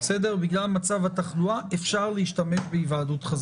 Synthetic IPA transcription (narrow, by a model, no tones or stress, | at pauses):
sedeʁbiɡlalmat͡savhat̪aχluaʔefʃaʁleiʃtame̞ʃbeivaadutχaz